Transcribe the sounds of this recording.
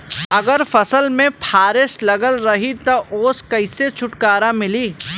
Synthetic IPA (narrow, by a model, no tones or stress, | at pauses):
ɐɡəɾfɐsəlmẽpʰaːɾɪʃlɐɡəlɾɐɦit̪oʔoːskɐɪset͡ʃʰʊʈkaːɾamɪliː